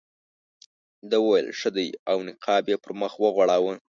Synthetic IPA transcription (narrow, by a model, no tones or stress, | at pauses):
d̪əwəwajə̰lʂəd̪əjawnɪqʰɑbjepəɾməxwəɣwaɽawə